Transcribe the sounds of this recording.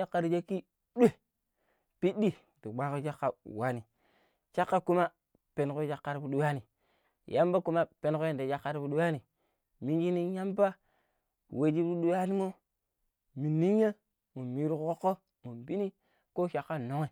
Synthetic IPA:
a˦kːa˨ɾi˨d͡ʒa˦ki˦ | ɗe˦˨ | pi˦ɗi˦ | du˨ɡ͡ba˦ko˦d͡ʒa˦kːa˨wa˦ni˨ | t͡ʃa˦kːa˦ku˦ma˦ | pe˨n˨ko˦d͡ʒa˦kːa˨ɾu˦ɗu˦wa˦ni˨ | jʔa˦mba˦ku˦ma˦pe˨n˦ko˦ja˨n˨da˨d͡ʒa˦kːa˦ɾbu˦ɗu˦wa˦ni˨ | mi˦n˦d͡ʒi˦ni˦ja˦mba˦ | we˨d͡ʒi˦bɾu˦ɗu˦wa˦ni˦mo˦ | mi˨nːi˦ɲ˦a˦ | mu˨mi˨ɾu˦˨kko˦kːo˦ | mu˨mbi˦ni˦ | ko˦ʃa˨kːa˦no˨ŋe˨

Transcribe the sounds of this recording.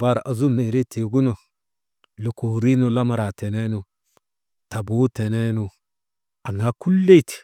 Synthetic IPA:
ba˦ɾa˨zu˦me˨ɾe˦te˨ɡu˦no˨ | lo˨ko˨ɾi˦no˨la˦ma˦ɾa˨te˨ne˦nu˨ | ta˨bu˦te˨ne˦nu˨ | a˨ŋa˦ku˦lːe˦t

